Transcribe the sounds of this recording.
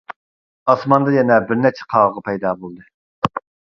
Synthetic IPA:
ɑsmɑnd̪ɑjɛnɛbɪɾnɛt͡ʃʰɛ̥qʰɑʁʁɑpʰɛjd̪ɑːbolˠd̪ɨ

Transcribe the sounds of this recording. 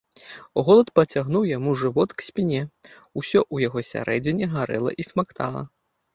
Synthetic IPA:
ɣɔlˠɐt̪pɐt͡sʲaɣnuwjamuʐɨvɔt̪ksʲpʲinʲɛ | usʲɔʔujaɣɔsʲa̰ɾʔɛd͡zʲinʲiɣaɾɛ̰lˠɐ̰ʔismakt̪a̰lˠɐ̰

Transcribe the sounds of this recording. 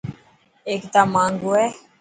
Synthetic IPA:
eːkt̪aːmãːŋɡoːɛː

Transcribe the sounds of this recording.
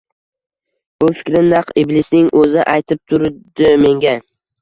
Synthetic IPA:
b̥ʊfɪ̥kʲɾɪnnɑqɪblɪsnɪŋʔɵzɪʔajt̪ʰɪp̚t̪ʰʊɾd̪̥ɪme̞ŋɡʲa

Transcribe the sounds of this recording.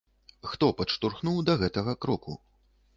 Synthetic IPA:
xt̪ɔpɐʂt̪urxnuwd̪ɐɣɛt̪ɐɣɐkɾɔkʰṵ

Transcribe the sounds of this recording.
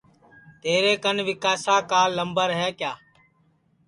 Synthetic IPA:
t̪eːɾeːkənʋɪkaːsaːkaːlːəmbəɾɦɛːkjaː

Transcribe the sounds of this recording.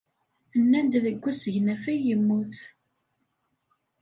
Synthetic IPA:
ənːænd̪ðəɡʷːæsəʝnæfæjəmːuθ

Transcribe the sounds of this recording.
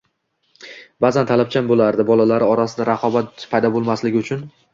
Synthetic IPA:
bazant̪ʰalap̚t͡ʃʰambolaɾd̪ɪbɒlalaɾɪɒɾasɪd̪aɾaqʰɒbat̪̚pʰajd̪ɒbolˠmaslɪɡʲɪʊt͡ʃʰʊn

